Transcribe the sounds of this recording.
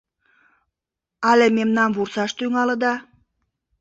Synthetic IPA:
ɑlʲememnɑnβursɑʃt̪yŋɑlə̆d̪ɑ

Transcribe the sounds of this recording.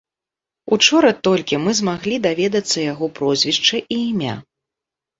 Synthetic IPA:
ut͡ʂɔɾɐt̪ɔlʲkʲimɨzmaɣlʲid̪avʲɛd̪ɐt̪sːɐjaɣɔpɾɔzʲvʲiʂt͡ʂɐʔiːmʲa̰

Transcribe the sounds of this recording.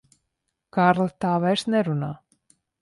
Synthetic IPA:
kaɾlt̪avɛsnɛɾuna

